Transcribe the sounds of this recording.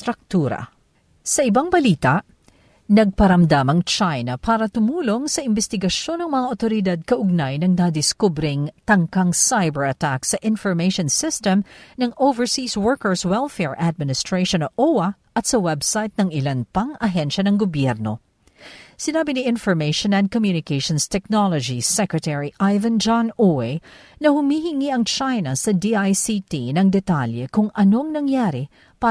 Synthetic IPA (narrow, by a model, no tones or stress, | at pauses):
t̪ɾak̚t̪uːɾɐ̰ | sɐʔɪbaŋbɐliːt̪ɐʔ | nɐɡ̚pɐɾɐmd̪amɐŋt͡ʃajnɐpaːɾɐt̪ʊmuːlo̞ŋsɐʔɪmbɛst̪ɪɡɐʃo̞nɐŋmɐŋaʔot̪oɾɪd̪ad̪̚kɐʔʊɡ̚najnɐŋnad̪ɪskubɾɪŋt̪ɐŋkaŋsajbɛɹɐt̪aksɐʔɪnfɔɹmejʃonsɪst̪ɛmnɐŋʔowvɛɹsiːswɔɹkɛɹswɛlfɛɹʔad̪̚mɪnɪst̪ɹejʃonɐʔʔowɐ | ʔɐt̪sɐwɛbsajt̪̚nɐŋɪlanpɐŋɐɦɛnʃɐnɐŋɡobjɛɾno̞̰ | sɪnaːbɪniʔɪ̃nfɔɹmejʃonɐ̃nd̪̚komjunɪkejʃonst̪ɛk̚nolod͡ʒisɛkɹɛt̪ɛɹiʔajvɐ̃nd͡ʒanuɛ | nɐhʊmihɪŋiʔɐŋt͡ʃajnɐsɐd̪iʔajsit̪inɐŋd̪ɛt̪aljɛkʊŋʔɐno̞ɐŋnɐŋjaːɾi | pa